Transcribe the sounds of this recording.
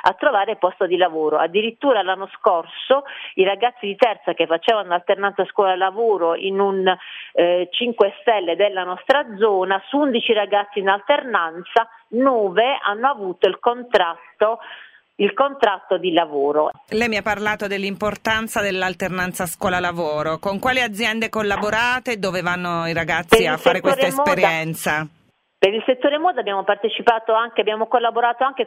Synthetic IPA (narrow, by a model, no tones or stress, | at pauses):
a̰t̪ːɾovaːɾepɔst̪od̪ilavoːɾoa̰d̪ːiɾit̪ːuːɾalanːoskorsoiɾaɡat̪sːid̪it̪ɛrt̪sakefːat͡ʃeːvanoalt̪ernansaskwɔːlalavoːɾoʔinun | t͡ʃiŋkwest̪ɛlːed̪elːanɔst̪ɾad̪zɔːnasuund̪it͡ʃiɾaɡat̪sːiːnalt̪ernant̪sa | nɔːvea̰nːoavuːt̪oilkont̪ɾat̪o | ilkont̪ɾat̪ːod̪ilavoːɾo̰lɛjmiapːarlaːt̪od̪elːimport̪ant̪sad̪elːalt̪ernant̪saːskwɔːlalavɔːɾokoŋkwaːliad̪zːjɛnd̪ekolːaboɾaːt̪ed̪oːvevanːoiɾaɡat̪sːiafːaɾekwest̪aespeɾjɛnt̪sa | peɾilset̪ːoːɾemɔːd̪abːjaːmopart̪et͡ʃipaːt̪oaŋkeabjaːmokolːaboɾaːt̪oaŋke